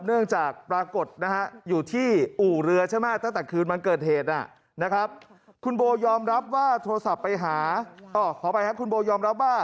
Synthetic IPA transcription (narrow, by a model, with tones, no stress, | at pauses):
nɯ˥˩əŋt͡ɕaː˨˩k̚pɾaː˧ko˨˩t̪̚na˦˥ha˦˥ʔjuː˨˩t̪ʰiː˥˩ʔuː˨˩ɾɯ˧ɐt͡ɕʰa˥˩jmaː˦˥˩t̪a˥˩ŋt̪ɛː˨˩kʰɯː˧nma˧nkɤː˨˩t̪̚heː˨˩t̪̚ʔa̰˨˩ | na˦˥kʰa˦˥p̚ | kʰu˧nboː˧jɔː˧mɾa˦˥p̚waː˥˩t̪ʰo˧ɾa˧sa˨˩pːa˧jɦaː˩˦ʔɔː˧˩kʰɔː˨˩˦pa˧jha˦˥˩kʰu˧nboː˧jɔː˧mɾa˦˥p̚waː˥˩